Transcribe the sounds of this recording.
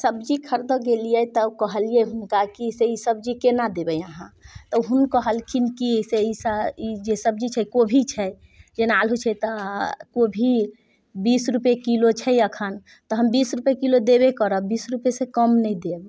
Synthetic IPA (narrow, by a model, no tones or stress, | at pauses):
səbd͡ʒikʰəɾd̪ɔɡelijɛt̪ɔkɔɦəlijɛɦunkakiseisəb̚d͡ʒikenad̪ebəjaɦãt̪ɔɦunkɔɦəlkʰinkiseisəid͡ʒesəb̚d͡ʒit͡ʃʰɛkobʱit͡ʃʰɛ | d͡ʒenalɦut͡ʃʰɛt̪ɔkobʱi | bisɾupekilot͡ʃʰɛjəkʰən | t̪ɔɦəmbisɾupekilod̪ebekəɾəbisɾupesẽkəmnɛĩd̪eb